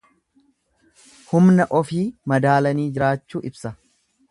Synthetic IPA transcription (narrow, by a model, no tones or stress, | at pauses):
hʊmnɐʔɔfiːmɐd̪aːlɐniːd͡ʒɪɾaːt͡ʃːuːʔɪbsɐ